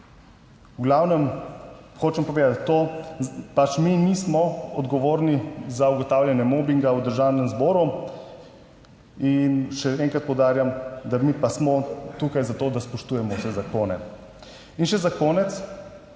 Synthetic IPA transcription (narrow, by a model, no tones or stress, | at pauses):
uɡlawnɛm | xoːt͡ʃɛmpɔʋeːd̪at̪ʲt̪o | pat͡ʃminismɔɔd̪ɡɔʋoːɾnizauɡɔt̪awlʲjanjɛmobiŋɡawd̪əɾʒaːwnɛmzbɔːɾu | inʃɛɛŋkɾat̪̚pɔwd̪aːɾjamd̪amipasmɔt̪uːkajzat̪oːd̪aspɔʃt̪uːjɛmɔwsɛzakoːnɛ | inʃɛzakoːnɛt̪s